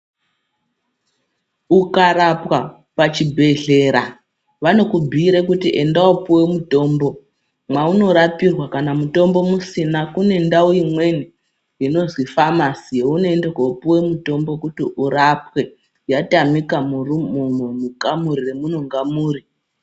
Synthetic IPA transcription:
ukaɾapwa | pat͡ʃibʱe̞ɮe̞ːɾa | ʋano̞kubʱiːɾekutiʔe̞ndaupuwe̞muto̞ːmbo̞ | mwauno̞ɾapirwakanamuto̞mbo̞musinakune̞ndauimwe̞ni | jino̞zwifamasijeuno̞enderwaupuwe̞muto̞mbo̞kutiʔuɾapwe̞ | jatamikamurumumomukamuɾiremuno̞ŋɡamuːɾi

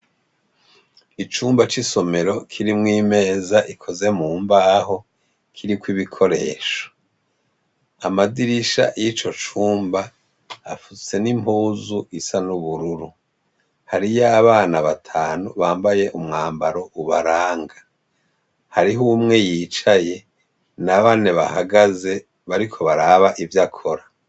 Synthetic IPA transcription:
it͡ʃuːmbat͡ʃiso̞me̞ɾo̞kʰiɾimŋiːme̞ːzaʔikʰoze̞muːmbaːɦo̞ | kʰiɾikwiβikʰo̞ɾe̞̰ːʃo̥ | amadiɾiʃa̰jit͡ʃo̞t͡ʃuːmbaː | fut͡se̞nimpuːzuisanuβuɾuɾu | haɾijaβaːnaβatʰaːnuβaːmbaje̞ʔumŋaːmbaɾo̞ʔuβaɾaːŋɡa | haɾiɦumŋe̞jiːt͡ʃaje̞ | naβaːneβa̰haɡaze̞ | βaɾikʰo̞βaɾaβaʔivjakʰo̞ɾa

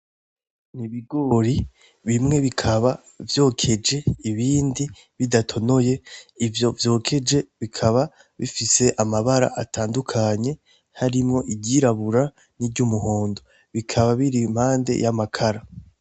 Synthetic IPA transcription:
niβiɡo̞ɾi | βimŋe̞βikʰaβa | vjo̞ːkʰe̞d͡ʒe̞iβiːndi | βidatʰo̞no̞je̞ivjo̞vjo̞ːkʰe̞d͡ʒe̞βikʰaβa | βḭfise̞ʔamaβaɾa̰ʔatʰaːndukʰaɲe̞ | haɾimŋo̞ʔiɟiɾaβuɾa | niɾɟumuɦo̞ːndo̞ | βikʰaβaβiɾim̥haːnde̞̰jamakʰaɾa

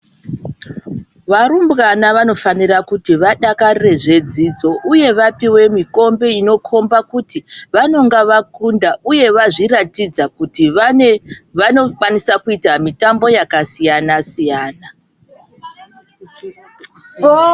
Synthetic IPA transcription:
ʋaɾumbɣanaʋano̞fanirakutiʋaɗakarre̞ʐe̞d͡zid͡zo̞ʔuje̞ʋapiwe̞miko̞mbe̞ino̞kʰo̞mbakutiʋano̞ŋɡaʋakundaʔuje̞ʋaʐiratid͡zakuti | ʋanokwanisakuitamitambo̞jakasijanasijaːna

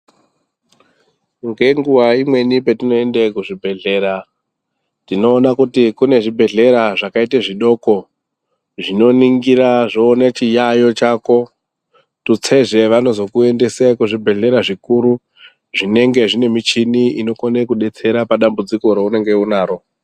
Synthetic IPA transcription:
ŋɡe̞ŋɡuʋaimwe̞nipetino̞endekuʐibʱe̞ɮe̞ːɾa | tino̞ːnakutikune̞ʐibʱe̞ɮe̞ɾaʐakaiteʐiɗo̞ko | ʐino̞niŋɡiɾaʐoːnet͡ʃijajo̞t͡ʃako̞ | tut͡se̞ʐe̞ʋano̞zo̞kue̞nde̞sekuʐibʱe̞ɮe̞ɾaʐikuɾu | ʐine̞ŋɡe̞ʐine̞mit͡ʃiniino̞konekuɗe̞t͡se̞ɾapaɗambud͡ziko̞ɾeune̞ŋɡe̞unaːɾo̞

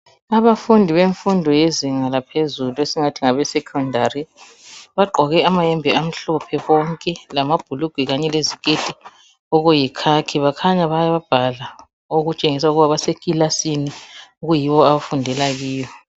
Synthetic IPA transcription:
aβafundʱiβeɱfundʱɔjeziŋalapʰezuluesiŋatʰiŋaβɛsɛkʰɔndʱari | βaɡ͡ǃʱɔɣɛamajɛmbʱɛam̩ɬɔpʰɛβɔŋkʼɛlamab̥ʱuluɡ̥ʱwiɣaɲɛlezikʼed̥ʱi | ɔɣujikʰakʰiβakʰaɲaβajaβab̥ʱala | oɣut͡ʃʼeŋisauɣuβaβasekʼilasiniuɣujiβɔaβafundʱɛlaɣiːjɔ

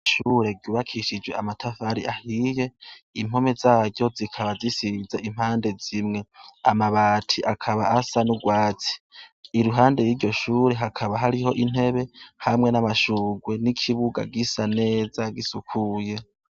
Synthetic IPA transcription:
ʃuɾe̞ɡuːβakʰiʃid͡ʒwe̞amatʰafaɾiʔahije̞im̥ho̞me̞zaːɟjo̞zikʰaβazisizaʔim̥haːnde̞zimŋe̞amaβaːtʰiʔakʰaβaasanuɡwaːt͡si̥ːɾuɦaːnde̞jiːɟo̞ʃuːɾe̞ɦakʰaβaɦaɾiho̞ʔin̥he̞βe̞hamŋe̞namaʃuːɡwe̞nikʰiβuɡa̰ɡisane̞ːzaɡisukʰuːje̞

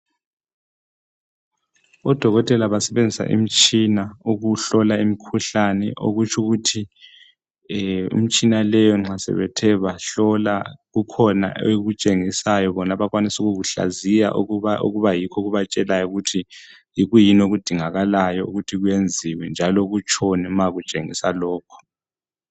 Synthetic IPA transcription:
ɔd̥ʱɔɣɔtʼɛlaβasɛβend͡zʱisa̰ʔḭm̩t͡ʃʼinauɣuɬɔlaimikʰuɬanɛʔo̰ɣut͡ʃʰuɣutʰi | ṵm̩t͡ʃʼinalɛjɔŋ͡ǁasɛ̰βɛ̰tʰɛβaɬɔlaɣukʰɔna̰eɣut͡ʃʼeŋisajɔβɔnaβakwanisuɣuɣuɬa̰zija̰ʔao̰ɣuβajikʰɔɣuβat͡ʃʼɛlajɔɣutʰi | jiɣujinoɣud̥ʱiŋaɣalajɔuɣutʰiɣwjend͡zʱiwɛnd͡ʒʱalɔɣut͡ʃʰʼɔnɛmaɣut͡ʃʼḛŋḭsalɔːkʰɔ̥

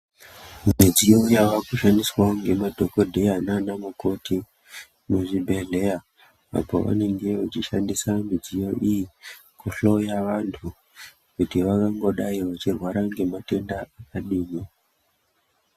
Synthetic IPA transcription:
mid͡zijoujaʋakuʃandiswaoŋɡe̞madʱo̞kodʱeananamuko̞tʰi | muʐibʱe̞ɮe̞ja | a̰po̰ʋa̰ne̞ŋɡe̞ut͡ʃiʃandisamid͡zijo̞ʔiji | kuɬo̞jaʋantʰu | kutiʋakaŋɡo̞ɗaiʋat͡ʃirwaɾaŋɡe̞mate̞ndaakaɗiːmi

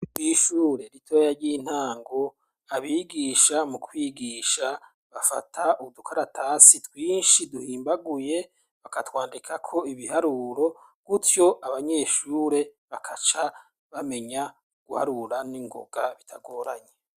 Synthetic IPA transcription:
iʃuːɾe̞ɾitʰojaɾɟiːn̥haːŋɡo̞ | aβiːɡiːʃamukʰwiːɡiːʃa | βafa̰tʰauudukʰaɾatʰasitwiːnʃiduhiːmbaɡuje̞ | βakatwaːndikʰakʰo̞iβihaɾuɾo̞ | ɡ̥utjo̞ʔaβaɲeʃuːɾe̞βakʰat͡ʃa | βame̞ɲa | ɡ̥uha̰ɾuɾaniŋɡo̞̰ɡ̥aβitʰaɡo̞ːɾaɲe

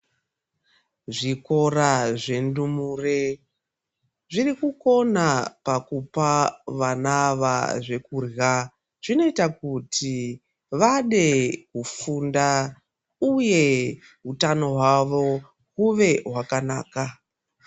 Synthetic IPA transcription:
ʐiko̞raʐe̞ndumuːre | ʐirikuko̞napakupaʋanaʋa̰ʐe̞kuːra | ʐ̥ino̞itakutʰi | ʋaɗe̞kufunda | uje̞ | ɦutano̞ɦwaʋo̞ | kuʋe̞ɦwakana̰ːka

